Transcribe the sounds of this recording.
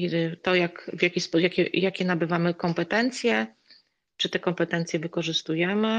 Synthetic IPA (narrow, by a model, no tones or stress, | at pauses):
it̪ɔjakvʲjakʲispɔujakʲɛjakʲɛnabɘvamɘkɔmpɛt̪ɛnt̪sʲjɛ | t͡ʂɘt̪ɛkɔmpɛt̪ɛnt̪sjɛvɘkɔʐɘst̪ujɛmɘ